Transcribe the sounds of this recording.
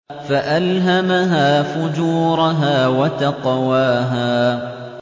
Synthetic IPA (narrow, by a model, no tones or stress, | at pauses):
faʔalɦamaɦaːfʊd͡ʒuːɾˤɑɦaːwat̪ɑqwaːɦaː